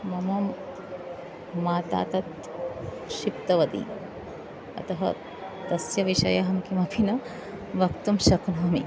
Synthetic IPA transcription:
mɐmɐm | aːt̪a̰ːt̪ɐt̪ | ʃipt̪ɐʋɐd̪ḭ | ɐ̰t̪ɐɦɐ̰ | d̪ɐsjɐʋiʃɐ̰jɐɦɐmkimɐpʰinɐ | ʋɐkt̪umʃɐknɐɦmḭ

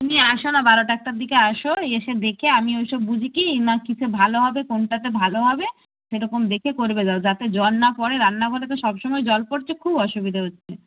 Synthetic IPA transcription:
t̪umiaʃonabaɾoʈaɛk̚ʈaɾd̪ikeaʃoeeʃed̪ekʰeamiojʃɔbːud͡ʑʱikinakit͡ɕʰebʱaloɦɔbekonʈat̪ebʱaloɦɔbe | ʃeɾɔkomd̪ekʰekoɾbedaod͡ʑat̪ed͡ʑɔnːapɔɽeɾanːaɡʱolet̪̬eʃɔbʃɔmɔed͡ʑɔlpoɾt͡ɕʰekʰubɔʃubid̪ʱaɦotːɕʰe

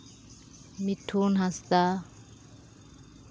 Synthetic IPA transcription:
miʈʰunɦast̪a

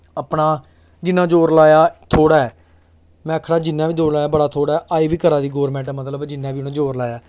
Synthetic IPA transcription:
əpɽaː | d͡ʒɪnːãːd͡ʒoːɾlaːjaːt̪ʰoːɽaːɛː | mɛ̃ːəkʰːɽaːd͡ʒɪnːaːʋiːd͡ʒ̪oːlaːjaːbəɽaːt̪ʰoːɽaːɛːʔaːiːʋiːkəɾãːd̪iːɡɔːɾmɛ̃ːɳʈɛmət̪ləbd͡ʒɪnːãːʋiːʊnãːd͡ʒoːɾlaːjaː

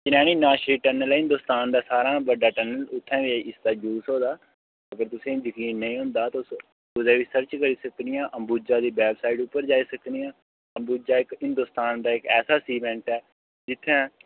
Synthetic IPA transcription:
d͡ʒɪnaːñiːnaːʃɾiːʈəːnəlɛːɦɪ̃nd̪ʊst̪aːnd̪aːsaːɾãːbəɖaːʈɛːnəlʊt̪ʰːɛ̃ːʋiʔɪst̪aːd͡ʒuːsɦoːd̪aː | əɡəɾt̪ʊsẽːzəkiːnːəĩːɦʊ̃nd̪aːt̪ːs | ʊd͡ʒɛ̃ːʋiːsəɾt͡ʃkəɾiːsəkd̪ɪjãːʔəmbuːd͡ʒaːd̪iːbɛːbsaːɪɖʊpːəɾd͡ʒaːiːsəkd̪ɪjãː | əmbuːd͡ʒaːɪkɦɪ̃nd̪ʊːst̪aːnd̪aːɪkɛːsaːsiːmɛ̃ːɳʈɛː | d͡ʒɪt̪ʰːɛ̃ː

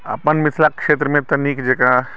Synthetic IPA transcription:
a̰pənmɪt̪ʰlakːʂeːt̪ɾəmẽt̪ɐnikd͡ʒekɽã

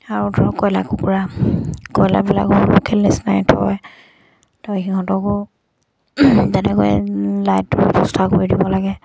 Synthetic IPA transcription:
aɹutɔɹkɔjlakukuɹakɔjla̰bila̰kɔukʰɛlːesnajtʰɔj | tɔjxihɔ̃ntɔkɔ | zɛnɛkɔɛlajtːʊupɔstʰakoɹidibɔlaɡɛ

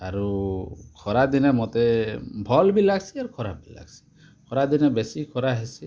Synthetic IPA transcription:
aɾukʰɔɾad̪inemɔt̪ebʱɔlbilaɡsʰiaɾukʰɔɾap̚bila̰ɡsi̥ | kʰɔɾad̪inebesikʰɔɾaɦesi

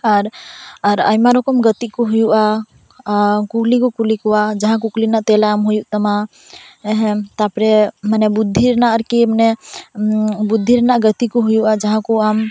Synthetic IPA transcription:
aɾaɾa̰jmaɾokəmɡət̪ikoɦujuʔa | kuklikukulikuad͡ʒəɦãkuklinat̪elaamɦujuʔt̪əma | ɦẽt̪apɾemanebud̪ʱːiɾnaəɾkimne | bud̪ʱːiɾnaɡət̪ikuɦujuad͡ʒəɦãkuam

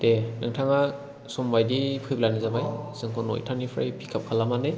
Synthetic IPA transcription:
denɯŋtʰaŋa | sɔmbajdipʰɯjblanɯzabajsɯŋkʰɔno̰jtʰanipʰɾa̰jpʰikʰap̚kʰalamande

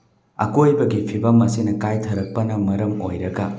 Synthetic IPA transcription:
ɐ̰kojbɐɡipʰibɐmɐsinɐkajtʰɐɾɐk̚pɐnɐmɐɾɐmo̰jɾɐɡɐ

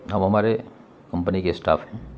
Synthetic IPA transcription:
ɦɐmɦɐmaːɾe | kɐ̃mpənikesʈa̰ːfɦɛ̃ː

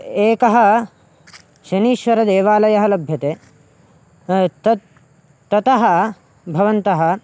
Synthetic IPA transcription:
eːkɐɦɐ | ʃɐniːʃʋɐɾɐd̪eːʋaːlɐjɐɦɐlɐbʱjɐt̪e | t̪ɐ | t̪ɐt̪ɐɦɐ | bʱɐʋɐnt̪ɐɦɐ

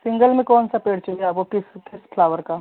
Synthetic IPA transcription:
sɪ̃ŋɡəlmẽkɔːnsapeːɽt͡ʃɐieaːp̚kokɪskɪspʰlaːʋəɾkaː

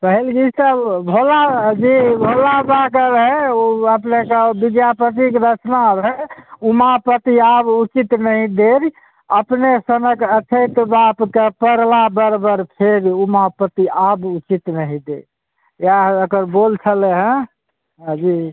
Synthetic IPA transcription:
pəɦilɡist̪əbʱolad͡ʒibʱolabakəɾɦeəpnekebid̪japət̪ikɾət͡ʃnaɾɦɛumapət̪iabut͡ʃit̪nəɦĩd̪eɾ | əpnesənəkət͡ʃʰət̪bapkepəɾlabəɾbəɾpʰeɾumapət̪iabut͡ʃit̪nəɦĩd̪eɾ | jaəkəɾbolt͡ʃʰəleɦə̃ | ɦd͡ʒi

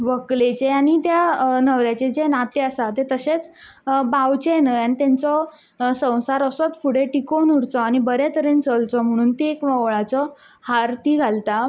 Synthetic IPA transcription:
ʋəklet͡ɕeaɽ̃it̪janəʋɾjat͡ɕed͡ʑenat̪eəsat̪et̪əset͡sbawt͡ɕenəjanit̪ant͡sɔ | sə̃w̃saɾəsɔt͡sfʰuɽeʈikonuɾt͡sɔaɽ̃ibəɾet̪əɾent͡səlt͡sɔm̤əɽ̃uːnt̪iekʋəwɭat͡sɔ | haɾt̪iːɡʱalt̪a

